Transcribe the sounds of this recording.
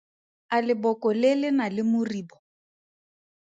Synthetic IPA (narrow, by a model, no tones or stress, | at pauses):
alɪbɔkɔlɪlɪnalɪmʊriːbɔ